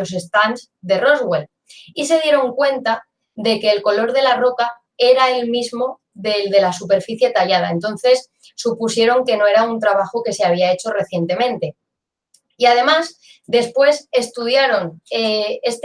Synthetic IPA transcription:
ose̞st̪anz | ðe̞ro̞zɣwe̞l | is̬e̞ð̞je̞ɾo̞ŋkwe̞nt̪a | ðe̞ke̞ːlko̞lo̞ɾð̞e̞laro̞ka | e̞ɾae̞lmizmo̞ | ðeld̪e̞lasupe̞ɾfiθje̞t̪aʎað̞a̰e̞nt̪o̞nθe̞sː | upusje̞ɾo̞ŋke̞no̞e̞ɾaunt̪ɾaβ̞axoke̞seaβ̞iae̞t͡ʃo̞re̞θje̞nt̪e̞mẽnt̪e̞ | iað̞e̞mas | d̪e̞spwe̞se̞st̪uð̞jaɾo̞neest̪

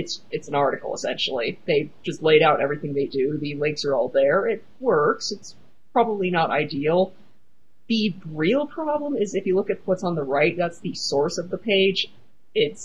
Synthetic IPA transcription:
ɨtsɨtsn̩ɑɹɾɨkl̩ˠə̰sɛ̰̃nʃl̩ˠiðeɪd͡ʒʌstˡleɪɾaʊɾʔɛ̰vɹiθɪ̃ŋðeɪdʉðɨlɪ̃ŋksə˞ɔlˠðə˞ɪt̚wɜ˞ksɨts | pʰɹ̥ɑbəblinəɾa̰ɪdil̩ˠ | ðɨɹilˠpʰɹ̥ɑblə̃mɪzɨfjɨlʊkɨt̚wʌtsn̩ðəɹaɪt̚ðætsðɨsɔɹsʌvðəpʰeɪd͡ʒ | ɪts

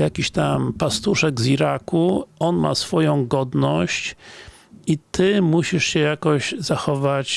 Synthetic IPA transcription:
jakʲiɕt̪ampast̪uʂɛɡziɾakuɔnma̰sfɔjɔ̃w̃ɡɔd̪nɔɕt͡ɕ | it̪ɘmuɕiʂɕɛjakɔʑzaxɔvat͡ɕ

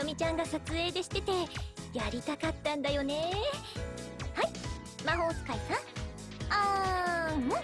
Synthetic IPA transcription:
omʲit͡ɕãŋɡasat͡sɨe̞ːd̪e̞ɕi̥t̪e̞t̪e̞jaɾʲit̪akat̪ːãnd̪ajo̞ne̞ | hai | maɦo̞ːsɨ̥kaisãŋ | a

